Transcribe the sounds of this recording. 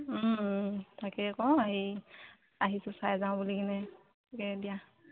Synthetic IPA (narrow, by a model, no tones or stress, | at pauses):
tʰakɛkɔaɦi | aɦisʊsajzaʊ̃bulikinɛ | akɛdija